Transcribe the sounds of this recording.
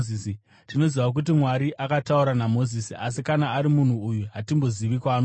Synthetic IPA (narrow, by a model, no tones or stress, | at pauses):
is | tino̞ziʋak̬ut̬imwaɾiʔakatauɾanamo̞zisiʔasikanaːɾimun̤uːjuɦatimbo̞ziʋikwaːno